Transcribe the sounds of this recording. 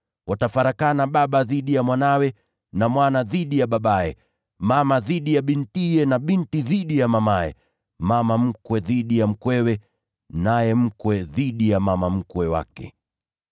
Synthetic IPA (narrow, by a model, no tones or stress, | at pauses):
watafaɾakanaɓaɓaðiɗijamwanawɛ | namwanaðiɗijaɓaɓaɛ | mamaðiɗijaɓintijɛnaɓintiðiɗijamamajɛ̰ | mamam̩kwɛðiɗijam̩kwɛwɛ | najɛm̩kwɛðiɗijamamam̩kwɛwa̰kɛ̰